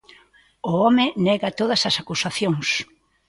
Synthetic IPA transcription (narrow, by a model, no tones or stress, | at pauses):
ʊɔmɪnɛɣɐt̪oðɐsɐsakusaθjoŋs